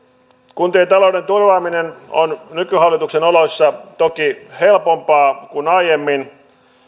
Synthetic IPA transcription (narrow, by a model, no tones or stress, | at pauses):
kunt̪eːt̪ɑloude̞nt̪urʋɑːmineno̰nnykyhɑlːit̪uksenolosːɑt̪okihe̞lpompɑːkunɑijemːin